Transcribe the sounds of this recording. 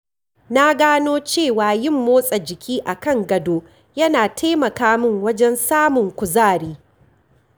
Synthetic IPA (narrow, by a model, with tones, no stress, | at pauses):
na˦ɡaː˦noː˦t͡ʃeː˦˨waː˨jɪ˦˨mːoː˦sʼɐ˨d͡ʒɪ˨kʲʰiː˦ʔa˨kɐ˦˨ŋɡɐ˨doː˦ | jɐ˦naː˨tʰa˦mɐ˨kaː˦mʊ˦ŋwɐ˦d͡ʒɛ˦nsaː˦mʊ˨ŋkʷʊ˨zaː˦˨ɽiː˦